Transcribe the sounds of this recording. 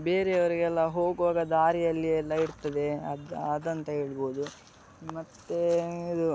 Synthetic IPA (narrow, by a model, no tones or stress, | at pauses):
be̞ːɾeɐʋɐɾiɡɛlːɐɦo̞ːɡʋaːɡɐd̪aːɾijɐlːiɛlːɐiɾt̪ɐd̪e̞ɐd̪ɐd̪ɐnt̪ɐɦe̞ːɭboːd̪u | mɐt̪ːeid̪u